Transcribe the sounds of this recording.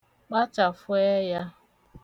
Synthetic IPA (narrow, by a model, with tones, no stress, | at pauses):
k͡pa˦t͡ʃa˨fʊ˦e˦ja˦